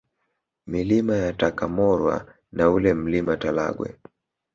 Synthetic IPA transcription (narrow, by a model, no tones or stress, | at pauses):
milimajatakamɔɾwa̰ | naulɛm̩limatala̰ɡwɛ̰